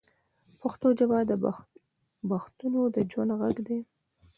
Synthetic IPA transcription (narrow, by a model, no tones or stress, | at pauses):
paxt̪od͡ʒabɑd̪ə | baxt̪unod̪əd͡ʒwand̪ɣaɡd̪e